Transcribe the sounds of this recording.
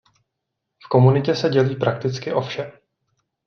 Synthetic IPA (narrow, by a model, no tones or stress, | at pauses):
fko̞munɪcɛsɛɟɛliːpɾak̚t̪ɪt͡skɪʔo̞fʃɛ